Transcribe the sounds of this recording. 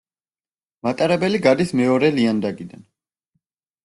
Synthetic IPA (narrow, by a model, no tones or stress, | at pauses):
mat̪ʼaɾɛbɛliɡad̪ismɛɔɾɛliand̪aɡid̪an